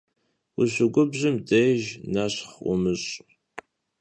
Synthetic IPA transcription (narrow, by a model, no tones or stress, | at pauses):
wʊɕʷʊɡʷʊbʑɪmdejʒnaɕχʷʊ̰mɨɕʼ